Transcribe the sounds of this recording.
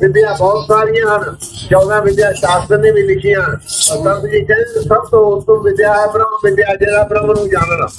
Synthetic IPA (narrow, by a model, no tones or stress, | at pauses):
ʋɪd̪ɪjaːbɔːt̪saːɾɪjãːɦən | t͡ʃɔːdãːʋɪd̪ɪjaːʃaːskənẽːbiːlɪkʰijãːɾt̪ãbd͡ʒiːt͡ʃəsəbt̪õːʊst̪õːʋɪd̪ɪjaːɛpɾəmʋɪd̪ɪjaːd͡ʒəːɾaːpəɾãmnũːd͡ʒaːnãː